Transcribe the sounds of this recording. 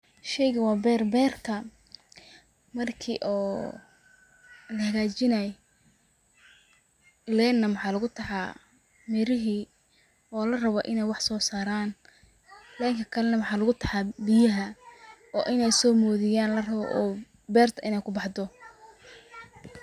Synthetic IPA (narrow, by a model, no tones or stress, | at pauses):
ʃɛjɣɐwɑːbɛːrbɛːrkʰɐ | mɐrkʰḭːʔɔː | lɐhɐɣaːt͡ʃɪnɐj | lɛːnːɐmħɑːlɐɣʊt̪ʰɐħɑː | mɛɾɪɦiː | ɔːlɐrɐβɔʔɪnɛjwɑħsɔːsaːɾaːn | lɛːŋkʰɐkʰɐlɛnɐwɑħɑːlɐɣʊt̪ʰɐħɑbɪjɐɦɐɔːʔɪnɛjsɔːmɔːðɪjaːnlɐrɐβɔ̰ʔɔː | bɛːrt̪ʰɐʔɪnɛjkʰʊbɑħd̪ɔ